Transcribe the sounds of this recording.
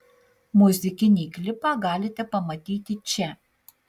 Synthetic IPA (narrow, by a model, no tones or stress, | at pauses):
mʊzʲɪkʲɪnʲiːklʲɪpɑːɡɑːlʲɪt̪ʲɛpɐmɐt̪ʲiːt̪ʲɪt͡ʃʲɛ